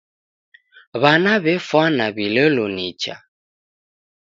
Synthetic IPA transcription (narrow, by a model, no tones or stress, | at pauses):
βanaβɛfwanaβiləlonit͡ʃa̰